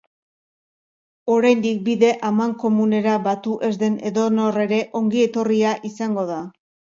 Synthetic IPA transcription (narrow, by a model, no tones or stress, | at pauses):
o̞ɾajnd̪ik̚biðe̞ʔamaŋko̞mune̞ɾaβat̪uʔe̞zðe̞ne̞ðo̞no̞re̞ɾe̞ʔo̞ŋɡie̞t̪o̞riaʔisaŋɡo̞ða